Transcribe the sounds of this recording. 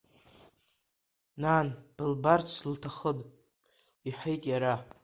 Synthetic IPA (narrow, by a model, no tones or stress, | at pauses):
nanb̥ɨlbart͡sʰltʰaχədʼ | iħejtʼjaɾa